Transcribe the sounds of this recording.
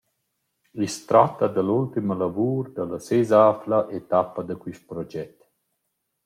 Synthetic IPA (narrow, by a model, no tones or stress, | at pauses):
ist̪ɾat̪ːad̪əlult̪iməlavuːɾd̪ələsezaːflaʔet̪apːəd̪əkwiʃt̪̚pɾɔd͡ʒɛt̪ː